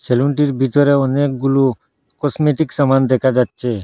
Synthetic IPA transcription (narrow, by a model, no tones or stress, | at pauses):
seluɳʈiɾbʱit̪ɔɾeɔnek̚ɡulu | kɔsmeʈiksəmand̪ɛkʰad͡ʒat̪̚t͡ʃʰe